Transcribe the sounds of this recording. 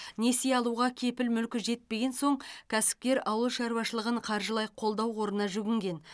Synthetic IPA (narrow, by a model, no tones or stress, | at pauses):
ne̞seɑlˠuʁɑkʲʰe̞pɪlmʏlkʲɪʒe̞t̪̚pe̞ɡʲe̞nso̞ɴkʲʰæsɪ̥p̚kʲe̞ɾɑwəlˠʃɑɾwɑʃəlˠəʁəɴqʰɑɾʒəlˠɑjqʰo̞lˠd̪ɑwo̞ɾənɑʒʏɡʲɪŋɡʲe̞n